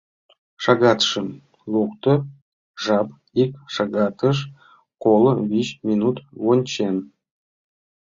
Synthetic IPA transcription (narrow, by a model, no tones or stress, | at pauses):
ʂɑɡɑt̪ʂɤ̆m | lˠukt̪ɤ̆ | ʐɑp | ikʂɑɡɑt̪əʂ | kolˠɤβʲiɕmʲinut̪wonʲt͡ɕen